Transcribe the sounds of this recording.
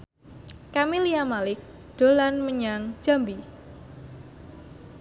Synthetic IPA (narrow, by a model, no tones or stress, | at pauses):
kamiliamalɪk̚ | d̪̥o̤lanməɲaŋ̥d͡ʒ̥a̤mbi